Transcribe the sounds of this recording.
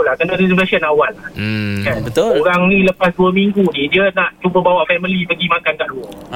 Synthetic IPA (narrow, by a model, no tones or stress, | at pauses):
olahkənaɾisimlasənawalːahkanboɾaŋnĩləpasduəmiŋɡunidiənãʔt͡ʃubəbawaʔfɛməlipəɡimãkankaʔluɔ